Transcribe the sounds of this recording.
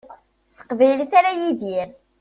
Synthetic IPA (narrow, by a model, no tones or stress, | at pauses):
sə̥qvæjlθaɾajiðiɾ